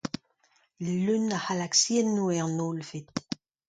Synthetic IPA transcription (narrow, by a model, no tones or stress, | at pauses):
lønahalaksjɛnːuɛʁnolvit̪